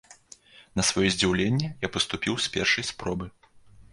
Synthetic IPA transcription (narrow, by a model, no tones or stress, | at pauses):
nɐsvɐjɔzʲd͡zʲiwlʲenʲːɛjapɐst̪upʲiwsʲpʲɛrʂɐjspɾɔbɨ